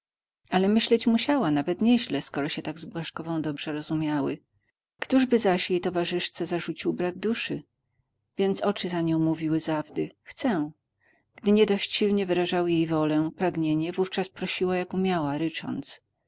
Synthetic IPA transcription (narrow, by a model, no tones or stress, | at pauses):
alɛmɘɕlɛt͡ɕmuɕawanavɛt̪ɲɛʑlɛskɔɾɔɕɛt̪aɡzbwaʂkɔvɔ̃w̃d̪ɔbʐɛɾɔzumʲjawɘ | kt̪uʐbɘzaɕjejt̪ɔvaʐɘʂt̪sɛzaʐut͡ɕiwbɾaɡd̪uʂɘ | vʲjɛnt̪sɔt͡ʂɘzaɲɔ̃w̃muvʲiwɘzavd̪ɘxt̪sɛw̃ | ɡ̥d̪ɘɲɛd̪ɔɕt͡ɕɕilɲɛvɘɾaʐawjejvɔlɛpɾaɡɲeɲɛvuft͡ʂaspɾɔɕiwajakumʲjawaɾɘt͡ʂɔ̰nt̪s